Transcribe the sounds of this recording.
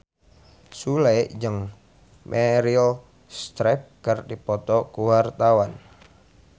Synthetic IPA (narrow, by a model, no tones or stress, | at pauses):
sulɛd͡ʒəŋ | mʔɛɾiɔ | st̪ɾɛp̚kərdipɔt̪ɔkuwart̪awan